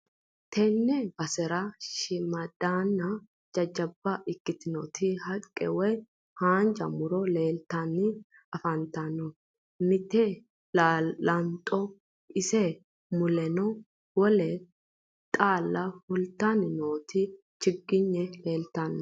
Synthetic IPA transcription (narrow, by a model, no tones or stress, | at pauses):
t̪ʰɛnːɛbɐsɛɾaʃɪmɐd̪̥aːnːɐ | d͡ʒɐd͡ʒːɐbːaʔɪkːɪt̪ɪnoːt̪ʰihɐkʼːɛ̰wɛ | haːnd͡ʒɐmʊɾole̞ːlt̪anːɪ | ɐfɐnt̪anɔ | mɪt̪e | laɐnt̪ʼo | ɪse | mʊlɛno | wɔlɛ | t̪ʼaːlːahʊlt̪aːnɪnoːt̪i | t͡ʃɪɡːɪɲːɛle̞ːlt̪anː